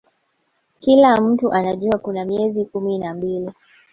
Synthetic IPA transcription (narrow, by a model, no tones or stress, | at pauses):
kilam̩tuʔanaʄuakunamiɛzikuminambili